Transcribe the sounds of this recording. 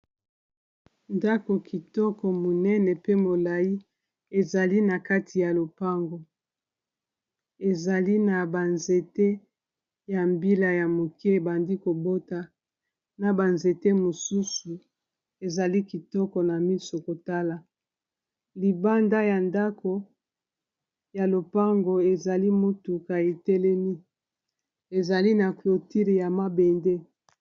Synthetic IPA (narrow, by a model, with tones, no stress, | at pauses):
nda˦ko˨ki˨tɔ˦kɔ˨mo˨nɛ˦nɛ˨pe˦mo˨la˨ji˦ | e˨za˨li˦na˨ka˦tʰi˨ja˨lo˨pa˦ŋɡo˨ | e˨za˨li˦na˨ba˨nze˨te˦ | ja˨mbi˦la˨ja˨mo˨ki˦e˨ba˨ndi˦ko˨bo˦ta˦ | na˨ba˨nze˨te˦mo˨su˦su˨ | e˨za˨li˦ki˨tɔ˦kɔ˨na˨mi˦so˨ko˨ta˦la˨ | li˨ba˦nda˦ja˨nda˦ko˨ | ja˨lo˨pa˦ŋɡo˨e˨za˨li˦mo˦tu˨ka˨e˨tɛ˦lɛ˦mi˦ | e˨za˨li˦na˨klo˨ti˦ʁja˨ma˦be˨nde˦